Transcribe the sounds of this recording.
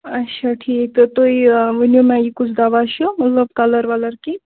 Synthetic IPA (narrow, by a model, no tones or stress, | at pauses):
ɐtːʃʰaʈʰiːk̚t̪ot̪oiʋənjomɛ̃jikut͡ʃʰd̪aʋaʃomɐt̪ləb̚kaləɾʋaləɾki